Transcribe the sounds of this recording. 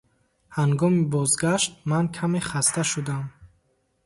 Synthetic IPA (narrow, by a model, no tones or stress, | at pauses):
haŋɡɔmibɔzɡaʃt̪̚mankʰameχast̪ʰaʃud̪am